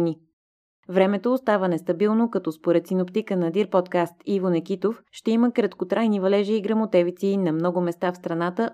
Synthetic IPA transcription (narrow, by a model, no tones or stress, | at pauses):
ni | vɾɛmɛt̪oːst̪avənɛst̪ɐbilˠnokɐt̪ɔspoɾɛt̪sinopt̪ikənɐd̪iɾpɔt̪kast̪ivonɛk̟it̪ofʃt̪ɛiməkɾɐt̪kot̪ɾajnivɐlɛʒiːɡɾɐmot̪ɛvit̪sinɐmnɔɡomɛst̪afst̪ɾɐnat̪ə